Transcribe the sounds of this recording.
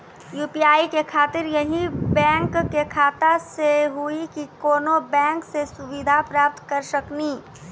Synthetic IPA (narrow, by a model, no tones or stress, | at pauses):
juːpiːaːikekʰaːt̪ɪɾjɐɦĩbɛ̃ːŋkːekʰaːt̪aseɦuikikoːnobɛ̃ːŋksesʊʋɪd̪ʱapɾaːp̚t̪kɐɾsəkniː